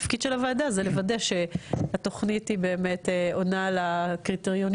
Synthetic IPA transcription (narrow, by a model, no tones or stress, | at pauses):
fkidʃelavaːdazelevadeʃe̞at̪o̞χnithibe̞ːme̞teo̞nalakʁit̪eʁjon